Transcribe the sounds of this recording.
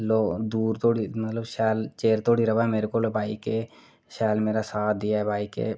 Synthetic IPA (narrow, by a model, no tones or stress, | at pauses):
loːd̪uːɾt̪oːɽimət̪ləbʃɛːlt͡ʃeːɾt̪oːɽiɾɐʋaɦɛmeːɾekolobʱaːike | ʃɛːlmeːɾasaːtd̪ijaɦɛbʱaːikḛ